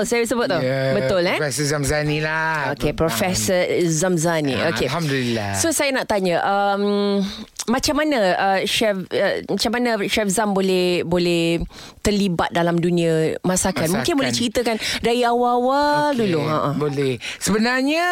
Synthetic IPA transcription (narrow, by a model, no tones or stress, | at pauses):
sajaisəbʊt̪̚t̪ːobəʊlɛfɛsəzamzanilaokepɾofɛsəzamzanḭokehamdulilasosajanaʔt̪aɲəʔəm | mat͡ʃamːanaəʃɛfəmat͡ʃamːanãʃɛfzambolɛhbolɛh | t̪ərliba̰t̪̚dalamdunĩəmãsakat̪mũŋkɪnbolɛht͡ʃəɾit̪əkandaiawaawaduluaʔabolɛhsəbənarɲa